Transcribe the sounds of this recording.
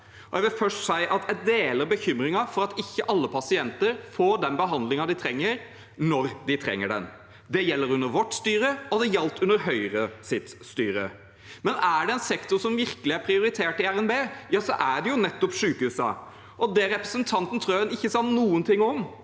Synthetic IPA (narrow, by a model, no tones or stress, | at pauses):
ɔjæʋɪlfœʂsæɪʔɑt̪jæɪd̪eːləɾbəçʏmɾɪŋɑfɔɾɑt̪ɪçːəʔɑlːəpʰɑsɪɛnt̪əɾfoːɖ̪ɛnbəɦɑnd̪lɪŋɑd̪ɪt̪ʰɾɛŋːəɾ | nɔɾd̪ɪt̪ʰɾɛ̰ŋːəɖɛ̰n | d̪ɛjɛlːəɾʉnːəɾʋɔʈːst̪yːɾəɔd̪ɛjɛlt̪ʉnd̪əɾɦœʏɾəsɪt̪st̪yːɾə̰ | mɛnæɖɛɛnsɛkt̪ʊɾsɔmʋɪɾkəlɪæɾpʰɾɪʊɾɪt̪ʰeːʈɪæɾɛnbeːjɑːsɔʔæɖɛjʊnɛt̪ːɔpʂʉːkəhʉːsɑ̰ | ʔɔd̪ɛɾɛpɾəsənt̪ʰɑnt̪n̩t̪ʰɾuːɛnɪçːəsɑnnuːənt̪ʰɪŋːɔm